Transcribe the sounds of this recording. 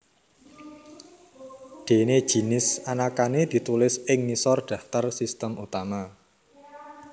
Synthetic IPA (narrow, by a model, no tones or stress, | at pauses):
ɖ̪̥e̤ne̥ʒ̥i̤nɪsanakaned̪̥i̤t̪ulɪsɪŋnisɔrɖ̥a̤ft̪ərsist̪əmut̪ama